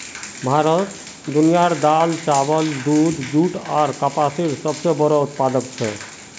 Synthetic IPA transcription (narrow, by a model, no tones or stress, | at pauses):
bʱaɾɔt̪ | d̪unijaɾd̪alt͡ʃabɔld̪ud̪ʱd͡ʒuʈaɾkapasiɾsɔb̚t͡ʃebɔɾout̪pad̪ɔkt͡ɕʰɛ